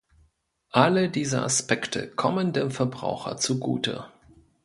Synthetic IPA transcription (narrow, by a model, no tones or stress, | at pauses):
ʔalədiːzɐ̰ʔa̰spɛktʰə̰kʰɔməndeːmfɛɐbʁa̰ʊxɐ̰t͡suɡṵːtə̰